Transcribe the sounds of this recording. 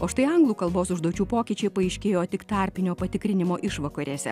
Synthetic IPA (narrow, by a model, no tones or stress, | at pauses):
oːʃt̪ɐɪɐŋɡlˠuːkɐlˠboːsʊʒd̪oːt͡ʃʲuːpoːkʲiːt͡ʃʲɛɪpɐɐɪʃʲkʲeːjoːt̪ʲɪkt̪ɑːˑɾʲpʲɪnʲoːpɐt̪ʲɪkɾʲɪnʲɪmoːʔɪʃʋɐkɐɾʲiːsʲɛ̰